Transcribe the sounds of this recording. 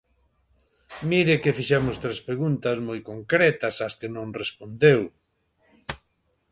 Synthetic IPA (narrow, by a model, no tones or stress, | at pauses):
miɾɪkɪfiʃɛmʊst̪ɾespɾeɣunt̪ɐsmojkoŋkɾɛt̪ɐsɐskenõŋrespond̪ew